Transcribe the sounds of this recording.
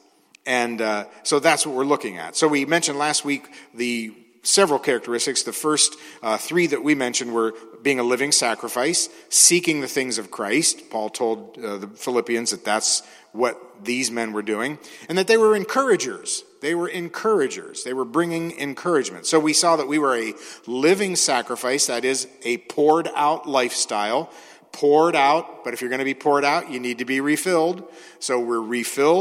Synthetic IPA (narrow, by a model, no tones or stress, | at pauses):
ɨ̃nsoʊðætswʌt̚wəɹlʊkɪ̃ŋɨ̰tsoʊwimɛ̃nʃɨ̃ndˡlæst̚wik̚ðɨ | sɛvɹl̩ˠkʰɛɹɨk̚tə˞ɪstɨksðɨfɜ˞stθɹiðɨʔ̚wimɛ̃nʃɨ̃nd̚wə˞biɪ̃ŋəlɪvɪ̃ŋsækɹɨfaɪsːikɪ̃ŋðɨθɪ̃ŋzʌv̥kʰɹ̥aɪst̚pʰɔlˠtʰoʊlˠd̪̚ðɨfəlɪpiɨ̃nzðɨt̪̚ðæts | wʌt̪̚ðizmɛ̃nwə˞dʉɪ̃ŋɨ̃nðɨt̪̚ðeɪwə˞ɨ̃nkʰɜ˞ɨd͡ʒə̰˞z̥ | ðeɪwə˞ɨ̃nkʰɜ˞ɨd͡ʒə̰˞z̥ðeɪwə˞bɹɪ̃ŋɪ̃ŋɨ̰̃nkʰɜ˞ɨd͡ʒmɨ̃ntsoʊwisɔðət̚wiwə˞ɨlɪvɪ̃ŋsækɹɨfaɪsðɨɾɪzɨpʰɔɹɾa̰ʊtˡlaɪfstaɪlˠ | pʰɔɹɾaʊt̚b̥ʌɾɨfjə˞ɡʌñɨbipʰɔɹɾaʊt͡ʃɨnid̚tɨbiɹifɪlˠd | soʊwɪɹɹifɪlˠ